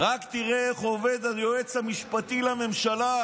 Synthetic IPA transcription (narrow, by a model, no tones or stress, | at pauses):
ʁakt̪iʁeeχoved̪aljoet͡shamiʃpat̪ilame̞mʃala